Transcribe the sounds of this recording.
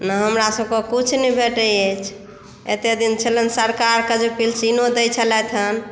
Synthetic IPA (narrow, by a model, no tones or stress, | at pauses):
nəɦəmɾasəb̚kekut͡ʃʰnɛbʱeʈəjet͡ʃʰ | ḛt̪ed̪int͡ʃʰələnsəɾkaɾkəd͡ʒepilsinod̪əjt͡ʃʰəlɛt̪ʰən